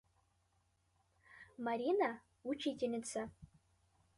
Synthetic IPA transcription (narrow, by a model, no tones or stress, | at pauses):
maɾina | ut͡ʃʰitʲʰʼenʲɪt͡sʰa